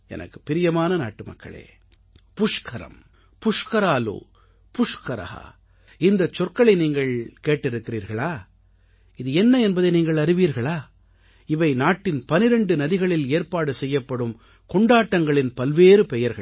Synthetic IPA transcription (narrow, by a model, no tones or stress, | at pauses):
ɛ̰nʔɐ̰kːɯ̥pɪɾɪjɐmaːnɐna̰ːʈːɯmɐ̰kːɐ̰ɭḛː | pʊʂkʰɐɾɐ̰m | pʊʂkɐɾaːlo̰ː | pʊʂkɐɾɐ̰ha̰ː | ɪnd̪ɐt͡ʃːɔrkɐɭɐɪniːŋɡɐɭkeːʈːɪɾɯkːɪɾiːɾɣɐɭaː | ɪðɯɛnːɐɛnbɐðɐɪniːŋɡɐɭɐɾɯʋiːɾɣɐɭaː | ɪʋɐɪnaːʈːɪnpɐnɪɾɛɳɖɯnɐðɪɣɐɭɪleːɾpaːɽɯsɛjːɐpːɐɽɯm | kɔɳɖaːʈːɐŋɡɐɭɪnpɐlʋeːɾɯpɛjɐɾɣɐ̰ɭ